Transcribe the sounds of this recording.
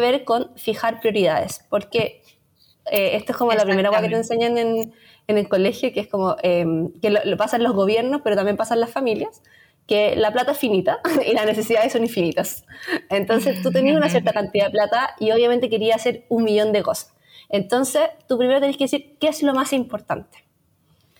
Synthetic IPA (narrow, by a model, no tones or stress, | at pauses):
βe̞ɾko̞nfixaɾpɾjo̞ɾiðaðespo̞ɾke̞ | eest̪oeskomolapɾime̞ɾawaket̪e̞nse̞ɲanen | enelkole̞xjokeeskomoemkelolpasanlozɣoβje̞ɾno̞speɾot̪ambjempasanlasfamiljas | ke̞laplat̪aesfinit̪ailasnes̬e̞siðaðesːo̞niɱfinit̪asent̪o̞nse̞st̪ut̪̬eniasunasjeɾt̪akant̪iðaðeplat̪aio̞βjament̪e̞k̬e̞ɾiaːse̞ɾunmiʝo̞nd̪eko̞sḁs | ent̪o̞nse̞st̪upɾimeɾot̪eniakesiɾkeeslo̞masimpo̞ɾt̪a̰nt̪e̥